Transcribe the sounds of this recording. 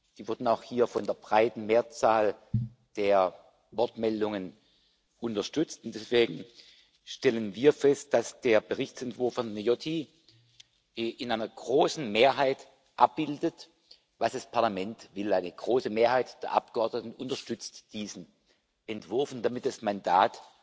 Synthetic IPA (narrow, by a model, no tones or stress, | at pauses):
d̥iːvʊɐdn̩aʊxhiːɐfɔndeːɐbʁaɪtn̩meːɐt͡saːl | d̥eːɐ | vɔɐtmɛldʊŋən | ʔʊntɐʃtʏt͡stʊntd̥ɛsv̥eːɡŋ̩ | ʃtɛlənviːɐfɛst̚d̥asd̥eːɐbəʁɪçt͡sɛntv̥ʊɐfɔnnejɔtʰi | ʔɪnʔaɪnɐɡ̥ʁoːsn̩meːɐɦaɪt | ʔap̚b̥ɪldət | vasd̥aspʰaɐlamɛntvɪlaɪnəɡ̥ʁoːsəmeːɐhaɪtd̥eːɐʔa̰p̚ɡ̥əʔɔɐdnətn̩ʊntɐʃtʏt͡std̥iːzn̩ | ʔɛntv̥ʊɐfn̩d̥amɪt̚d̥asmandaːt